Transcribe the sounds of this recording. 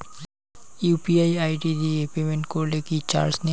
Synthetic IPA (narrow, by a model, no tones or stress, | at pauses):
upiajajʈid̪iepemeɳʈkoɾlekit͡ɕa̰ɾsne